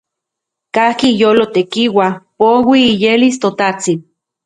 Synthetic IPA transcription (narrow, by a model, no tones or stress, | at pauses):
kahkijoːlot̪ekiwapowiːjelist̪ot̪at͡si